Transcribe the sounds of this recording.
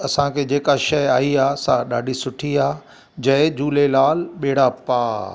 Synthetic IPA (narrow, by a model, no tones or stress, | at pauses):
ɐsãkʰed͡ʑeːkaʃɐjaːiaːsãɗa̰ːɖʱisʊʈʰiaː | d͡ʑɐ̃d͡ʑuːlelaːlɓeːɽapaː